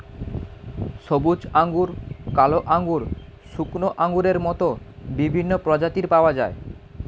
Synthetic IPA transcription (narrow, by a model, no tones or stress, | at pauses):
ʃobud͡ʑaŋɡuɾkaloʔaŋɡuɾsuknoʔaŋɡuɾeɾmɔt̪obibʱinːopɾɔd͡ʑat̪iɾpaoad͡ʑae